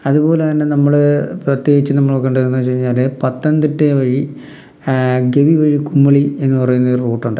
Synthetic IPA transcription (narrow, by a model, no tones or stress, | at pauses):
ɐðupo̞ːleɐnːenɐmːɐɭɨprɐt̪ːje̞ːɡit͡ɕːɨnɐmːɐɭokːeɳɖeunːɐt͡ɕejiɲːaːlepɐt̪ːɐnd̪iʈːeʋɐɻi | ɡe̞ʋiʋɐɻikumːɐɭie̞nːupɐrɐjunːɐðoɾruːʈːuɳɖɨ